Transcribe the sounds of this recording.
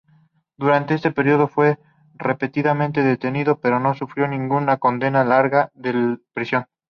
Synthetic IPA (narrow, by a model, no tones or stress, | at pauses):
d̪uɾant̪eest̪e̞pe̞ɾioð̞o̞fwe̞ | repe̞t̪iðamẽnt̪e̞ðet̪e̞niðo̞pe̞ɾo̞no̞sufɾjonĩŋɡunako̞nd̪e̞nalaɾɣaðepɾisjo̞ŋ